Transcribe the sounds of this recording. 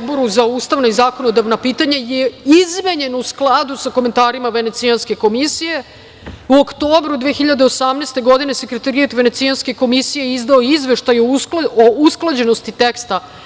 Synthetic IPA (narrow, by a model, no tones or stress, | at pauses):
d̪boɾuzauːst̪aʋnoizaːko̞nod̪aʋnapiːt̪aɲajeizme̞ɲe̞nousklˠad̪usakoment̪aːɾimaʋene̞t̪sianske̞ko̞misije̞ | uo̞kt̪o̞ːbɾud̪ʋexiʎad̪eosamneːst̪e̞ɡo̞d̪ine̞se̞kɾet̪aɾiat̪ʋe̞ne̞t̪sijanske̞ko̞misije̞izd̪ao̞izʋe̞ʃt̪ajuousklˠad͡ʑe̞no̞st̪it̪ekst̪a